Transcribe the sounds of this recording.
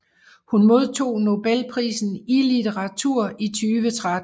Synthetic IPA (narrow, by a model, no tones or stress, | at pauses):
hunmo̝ð̞ˠt͡sʰo̝̰ːno̝b̥elpʰʁḭːsn̩ilit͡sʰeʁɑt͡sʰuɐ̰it͡sʰyːʋət͡sʰʁad̥